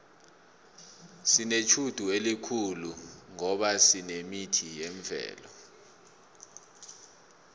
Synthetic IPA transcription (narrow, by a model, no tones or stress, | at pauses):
sinet͡ʃʰud̥ʱuelikʰuluŋɔɓasinemitʰijeɱvʱɛ̰ːlɔ